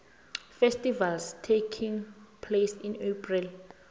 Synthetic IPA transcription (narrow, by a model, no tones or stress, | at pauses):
fɛstʼivalstʰekʰĩŋpʰlesĩnepʰril